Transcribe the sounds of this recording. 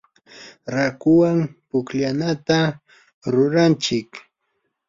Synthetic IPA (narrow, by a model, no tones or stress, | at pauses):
ɾakʊwampʊkʎanat̪a | ɾʊɾant͡ʃɪk